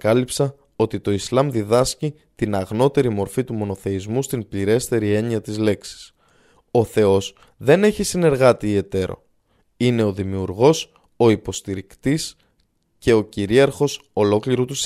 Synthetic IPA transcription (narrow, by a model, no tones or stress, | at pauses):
kɐlipsɐ | o̞t̪it̪o̞islɐmðiðɐsci | t̪inɐɣno̞t̪e̞ɾimo̞ɾfit̪umo̞no̞θe̞izmust̪imbliɾe̞st̪e̞ɾie̞ɲiɐt̪izle̞ksi̥s | o̞θe̞o̞s | ðe̞ne̞çisine̞ɾɣɐt̪iːe̞t̪e̞ɾo̞̰ | ine̞o̞ðimiuɾɣo̞s | o̞ipo̞st̪iɾikt̪is | ce̞o̞ciɾiɐɾxo̞so̞lo̞kliɾot̪us